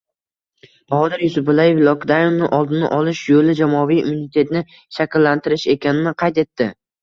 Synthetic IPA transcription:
bɒɒd̪ɪɾjʊsʊpʊlajevlˠɒkd̪ajʊmnɪʔɒlˠd̪ɪnɪʔɒlɪʃjolɪd͡ʒamɒvijumunɪt̪ʰe̞t̪nɪ | ʃakʲɪlːant̪ʰɪɾɪʃe̞kʲʰanɪnɪqʰɑjt̪e̞t̪ʰːɪ

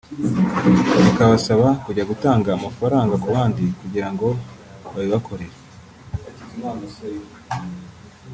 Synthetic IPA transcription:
ikaβasaβakuɟaɡutaːŋɡaːmafaɾaːŋɡakuβaːndikuɟiɾaŋɡo̞ | βaβiβakʰo̞ɾe̞ɾa

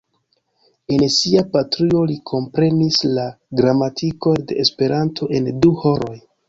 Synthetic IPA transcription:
e̞nsiapatɾio̞likʰo̞mpɾe̞nisla | ɡɾamatʰiko̞nde̞ʔːspe̞ɾantʰo̞ʔe̞nduho̞ɾo̞j

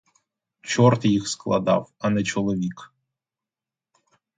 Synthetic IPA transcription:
t͡ʃɔrt̪jixsklˠɐ̰d̪ɑ̰wɐnɛt͡ʃɔlˠɔʋʲik

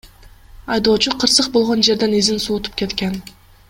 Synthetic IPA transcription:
ɑjd̪o̞ːt͡ʃuqʰəɾsəq̚bo̞lˠʁo̞nd͡ʒe̞ɾd̪enezɪnsuːt̪u̥p̚kʲe̞t̪kʲen

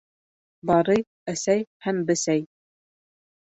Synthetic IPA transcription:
bɑɾɤj | æsæjhæmbɘ̆sæj

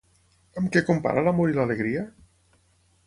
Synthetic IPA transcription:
əmkɛkumpa̰ɾalamoɾilaleɣɾia

